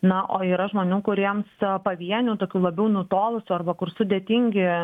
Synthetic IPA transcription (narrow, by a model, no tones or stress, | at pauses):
nɐʔoːiːɾɐʒmoːnʲuːkʊɾʲiɛmspɐʋʲiɛnʲuːt̪oːkʲuːlˠɐbʲɛʊnʊt̪oːlˠʊsʲuːɐrbɐkʊrsʊd̪ʲeːt̪ʲɪŋʲɡʲɪ